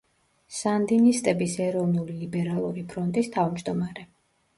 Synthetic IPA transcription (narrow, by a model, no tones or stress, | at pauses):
sand̪inist̪ʼɛbisɛɾɔvnulilibɛɾalˠuɾipʰɾɔnt̪ʼist̪ʰavmd͡ʒd̪ɔmaɾɛ